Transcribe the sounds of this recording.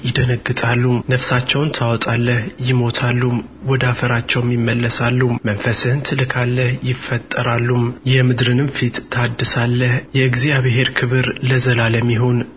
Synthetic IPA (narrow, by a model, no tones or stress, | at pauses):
jɪd̪ənəɡːɨt̪ʼalːumnəfsat͡ʃːɛwnt̪ʰawɔt̪ʼalːəhjɪmo̞t̪ʰalːumwɔd̪afəɾat͡ʃːɛwmjɪmːəlːəsalːummənfəsɨhɨnt̪ʰɨlɨkʰalːəhjɪfːət̪ʼːəɾalːumjɛmɨd̪ɾɨnɨmfit̪ːʰad̪ːɨsalːəhjɛɡziaβɨɦe̞ɾkʰɨβɨɾləzəlaləmːiɦo̞n